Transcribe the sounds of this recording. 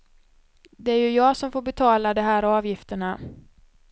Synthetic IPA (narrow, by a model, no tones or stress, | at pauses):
d̪ɛæɾjɵjɑːɡsɔmfoːɾbɛt̪ʰɑːlad̪ɛɦæːɾɑːvjɪft̪əɳa